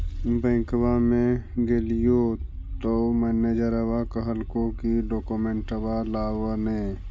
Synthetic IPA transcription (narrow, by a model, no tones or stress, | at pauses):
bẽɪ̃kwamẽɡelijo | t̪omeːned͡ʒəɾɐwakɐɦəlkõkiɖoːkomẽɳʈəʋalaːwənẽː